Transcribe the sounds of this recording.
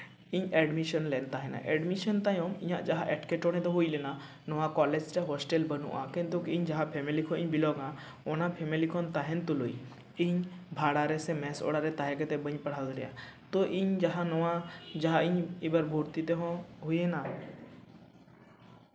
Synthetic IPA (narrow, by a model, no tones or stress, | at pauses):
iɲeːɖmiʃənleːnt̪aːɦenã̰ʔeːɖmiʃənt̪ajomijã̰d͡ʒɐɦãʔɛʈkeʈoːɽẽt̪oɦuilena | nɔʋãkɔːleːd͡ʒt̪eɦoːsʈeːlbɐnṵ̃ʔãːkẽnt̪̬ukĩɲd͡ʒɐɦãpʰeːmelikʰoĩɲbilɔːɡã | oːnãpʰeːmelikʰont̪aɦẽnt̪uloi | iɲbʱaːɽaːɾesẽmɛ̃ːso̰ːɽaːɾet̪aːɦeket̪ebə̃ɲpɐɽ̤aːd̪lijã̰t̪oʔiɲd͡ʒɐɦãnɔʋãd͡ʒɐɦãĩɲibəɾbʱuːɾt̪it̪eɦõɦujena